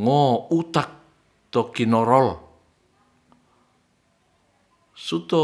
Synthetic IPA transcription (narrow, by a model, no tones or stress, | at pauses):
ŋɔut̪ak̚ | t̪ɔkinɔɾɔl | sut̪ɔ